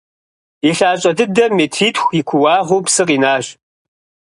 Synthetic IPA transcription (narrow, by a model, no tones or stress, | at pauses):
iɬaːɕʼɐdɨdɐmetʰiːtxʷikʷʰʊwaːʁuːpsɨqiːnaːɕ